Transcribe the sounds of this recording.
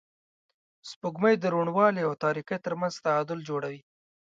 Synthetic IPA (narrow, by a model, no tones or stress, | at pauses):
spuɡməjd̪əɾuɳwɑleawt̪ɑɾikəjt̪əɾmanzt̪aɑd̪ʊld͡ʒoɽawi